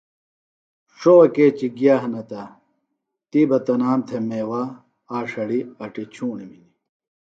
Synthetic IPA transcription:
ʂowɐkeːt͡ɕiɡjaːɦɐnɐt̪ɐ | t̪ibɐt̪ɐnaːmt̪ʰemeːwaː | aːʂɐɽiɐʈit͡ɕʰuːnimini

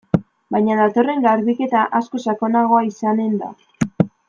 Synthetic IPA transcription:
bajɲaðat̪o̞re̞ŋɡaɾβike̞t̪aʔasko̞sako̞naɣ̞o̞aisane̞nd̪a̰

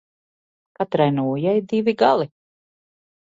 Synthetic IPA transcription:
kat̪ɾajnuːjajd̪iviɡalˠi

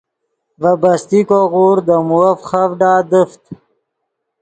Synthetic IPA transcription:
vəbɐst̪ikoɣuːɾd̪əmuɐfχavɖaːd̪əft̪

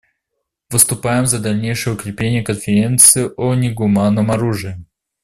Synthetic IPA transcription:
vɨst̪ʊpajɪmzɐd̪ɐlʲnʲejʂɨjəʊkɾʲɪplʲenʲɪjəkənfʲɪɾʲe̞nt̪sɨɪʔonʲɪɡʊmanːəmɐɾuʐɨɪ

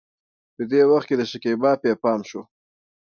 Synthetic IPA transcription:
pəd̪ewaxt̪̚ked̪əʃakebɑpjɑpɑmʃo

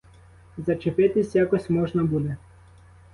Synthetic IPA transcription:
zɐt͡ʃepɪt̪ɪsʲjakɔsʲmɔʒnɐbud̪ɛ

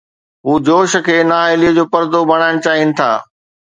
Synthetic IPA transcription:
ɦuːd͡ʑoːʃə̆kʰeːnaːɦeliəd͡ʑoːpɐɾd̪obʱɐɽ̃aːɪɽ̃t͡ɕaːɦinɪ̆t̪ʰa̰ː

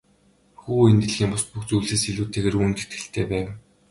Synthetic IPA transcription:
xuːent̪ɘ̆ɮɣʲiːmpʊspuxt͡sujɮseːsiɮuːt̪ʰeːɣeːrunt̪e̥t̪ɡɘ̆ɬt̪ʰeːpæːw

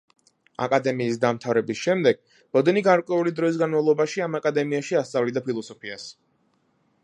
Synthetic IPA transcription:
a̰kʼad̪ɛmiːsd̪amt̪ʰavɾɛbisʃɛmd̪ɛɡ̥̚ | b̥ɔd̪ɛniɡaɾkʼwɛulid̪ɾɔis̬ɡanmavlˠɔbaʃiamakʼad̪ɛmiaʃiast̪sʼavlid̪apʰilˠɔsɔpʰias

